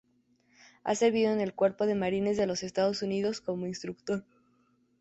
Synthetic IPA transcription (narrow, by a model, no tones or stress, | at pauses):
a̰se̞ɾβiðo̞ene̞lkwe̞ɾpo̞ð̞e̞maɾine̞zðe̞lo̞se̞st̪aðo̞suniðo̞sko̞mo̞inst̪ɾuk̚t̪o̞ɾ